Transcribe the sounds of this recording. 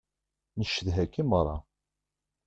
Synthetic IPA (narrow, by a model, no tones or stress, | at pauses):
nəʃəðɦækːimərˤːɑ